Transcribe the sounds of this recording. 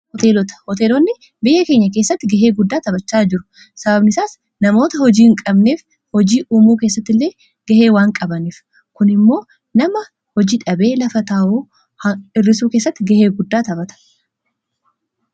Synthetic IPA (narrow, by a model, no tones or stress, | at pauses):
hɔt̪eːlɔt̪ɐ̥hɔt̪eːlɔnːɪ | bɪjːɐke̞ːɲːɐke̞ːsːɐt̪ːɪɡɐɦeːɡʊd̪ːaːt̪ɐbɐt͡ʃːaːd͡ʒɪɾʊ̥ | sɐbɐbnɪsaːs | nɐmo̞ːt̪ɐhɔd͡ʒiːɪŋkʼɐbne̞ːf | hɔd͡ʒiːʔuːmuːkeːs̬ːɐt̪ːɪlːe̞ː | ɡ̥ɐhe̞ːwaːŋkʼɐbɐniːf | kʊnɪmːo̞ː | nɐmɐ | hɔd͡ʒiːᶑɐbe̞ːlɐfɐt̪aːʔuː | hɐɪrːɪsuːke̞ːsːɐt̪ːɪɡɐheːɡʊd̪ːaːt̪ɐbɐt̪ɐ̥